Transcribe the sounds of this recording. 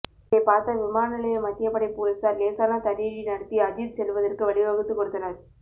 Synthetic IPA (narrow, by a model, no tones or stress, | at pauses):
ɐɪpaːɾt̪ɐʋɪmaːnɪlɐjɐmɐt̪ːɪjɐpːɐɽɐɪpuːɾɐsaːɾleːsaːnat̪ɐɾiɻinɐɽɐt̪ːiɐd͡ʒiɾsɛlʋɐðɐrkɯʋɐɭɪʋɐɣɯt̪ːɯkːɔɽɯt̪ːɐnɐɾ